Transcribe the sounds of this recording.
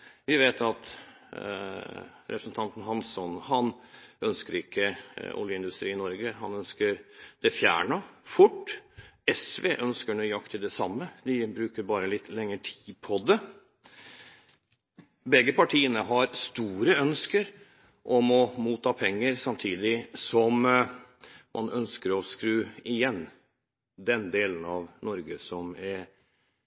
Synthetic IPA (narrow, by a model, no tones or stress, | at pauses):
ʋɪʋeːt̪ʰɑt̪ | ɾɛpɾəsn̩t̪ʰɑnt̪n̩ɦɑnsɔnhɑnœnskəɾɪkʰːəɔ̰ljəɪnd̪ʉst̪ɾiːɪnɔɾɡəɦɑnœnskəɾd̪̥ɛfjæ̰ːɳəfʊʈːɛsʋeːʔœnskəɳuːjɑkt̪ʰɪld̪ɛsɑ̰mːəd̪ɪbɾʉːkəɾbɑːɾəlɪt̪ːlɛŋːəʈʰi̥ːd̪pʰɔd̪ɛ | bɛɡəpɑʈʰiːənəɦɑɾst̪uːɾəœnskəɾ | ʔɔmɔmuːt̪ːɑːpʰɛŋːəɾsɑmt̪ʰiːd̪ɪsɔm | mʔɑ̰nœnskəɾɔskɾʉːɪjɛnː | d̪ɛnd̪eːlənɑʋnɔɾɡəsɔmɛɾ